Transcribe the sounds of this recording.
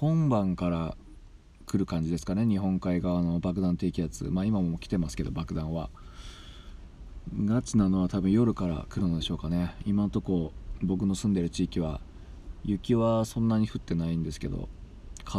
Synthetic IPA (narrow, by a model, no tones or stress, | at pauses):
hõ̞mbãŋkaɾa | kɯ̟ɾɯ̟kãɲ̟d͡ʑid̪e̞sɨ̥kane̞ɲ̟iɦõ̞ŋkaiɡaano̞bak̬ɯ̟d̪ãnt̪e̞ːkʲijat͡sɨ̰maːimamokʲi̥t̪e̞masɨ̥ke̞d̪o̞̰bakɯ̟d̪ãɰ̃βa | ɡat͡sinano̞β̞at̪abɯ̟̃ɰ̃jo̞ɾɯ̟kaɾa̰kɯ̟ɾɯ̟no̞d̪e̞ɕo̞ːkane̞imãnot̪o̞koːbo̞k̬ɯ̟no̞sɨ̃nd̪e̞ɾɯ̟t͡ɕiːkʲiβa | jɯ̟kʲiβasõ̞nːaɲ̟iɸɯ̟t̪ːe̞naĩnd̪e̞sɨ̥ke̞d̪o̞̰ | kʰa